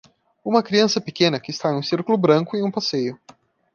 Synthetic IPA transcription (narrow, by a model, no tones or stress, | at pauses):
ũmɐkɾiɐ̃sɐpekẽnɐkɪːst̪anũsiɾkʊlʊbɾɐ̃ŋkʊɪũpasejʊ